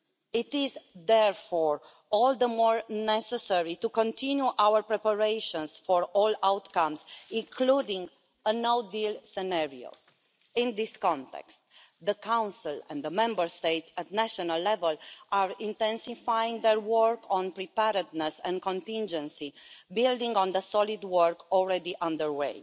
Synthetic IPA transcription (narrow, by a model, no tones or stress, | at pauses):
it̪izd̪ɛɹfɔɹ | ɔld̪əmɔɹnɛsɛsɛɹit̪ukõnt̪ʰĩnjuʔawəɹpɹɛpəɹejʃɔ̃nsfɔɹɔlawt̪kãmzĩŋkʰlud̪ĩŋɡ | ənowd̪ilsɛnɛɹio̰z | ĩnd̪iskɔ̃nt̪ɛ̰kst̪ | d̪əkʰãw̃nsilɛ̰̃nd̪əmɛ̃mbəɹst̪ejt̪sæt̪næʃɔnalːɛvəlʔaɹĩnt̪ɛ̃nsifajĩŋɡðɛɹwəɹkʰɔ̃npɾipɛɾəd̪nɛsɛ̰̃nkɔ̃nt̪ĩnd͡ʒɛ̃nsibild̪ĩŋɡɔ̃nd̪əsɔlid̪wəɹkɔlɹɛd̪iʔãnd̪əɹwḛɪ